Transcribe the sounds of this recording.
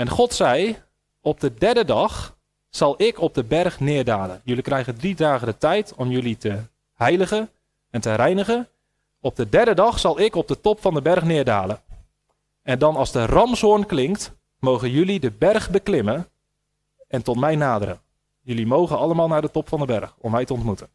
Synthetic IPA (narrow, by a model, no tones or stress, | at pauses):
ɛnχɔtsɛj | ɔb̚dədɛɹdədɑχ | sɑlˠɪkɔb̚dəbɛrχnɪːɹdaːlə̰njɵlikrɛjɣəndridaːɣədətɛjtʰɔmjɵlitʰə | hɛjləɣən | ɛntərɛjnəɣən | ɔb̚dədɛɹdədɑxsɑlˠɪkɔb̚dətɔpfɑndəbɛrχnɪːɹda̰ːlə | ɛndɑnɑlˠzdərɑmsɦʊrnklɪŋkt | mowɣənjɵlidəbɛrχbəklɪmən | ɛntɔtmɛjnaːdəɾə̰ | jɵlimowχənɑləmaːlˠnaːɹdətɔpfɑndəbɛ̰rxɔmʋɛjtəɔntmutən